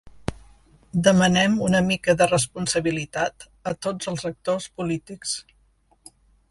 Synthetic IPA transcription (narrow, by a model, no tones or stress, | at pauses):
d̪əmənɛmunəmikəðərəspunsəβilit̪at̪ | ət̪od͡zəlˠzək̚t̪ospulit̪iks